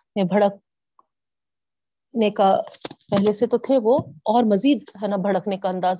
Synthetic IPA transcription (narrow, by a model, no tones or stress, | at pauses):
mẽbʱɐɽək̚ | nekapɛɦleset̪ot̪ʰeʋoɔːɾmɐziːd̪ɦɛːnabʱɐɽəknekaɐ̃nd̪aːz